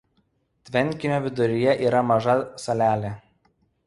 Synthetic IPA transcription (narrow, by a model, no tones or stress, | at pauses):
t̪ʲʋʲɛnʲˑkʲɪnʲoːʋʲɪd̪ʊɾʲɪjɛʔiːɾɐmɐʒɐsɐlʲæːlʲe